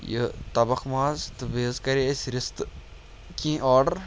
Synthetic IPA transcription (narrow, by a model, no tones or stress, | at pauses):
jə̰t̪ɐbɐxmaːzt̪ɨbeːzkɐɾiɐsʲɾɪst̪ | kĩːʔɔːɾɖəɾ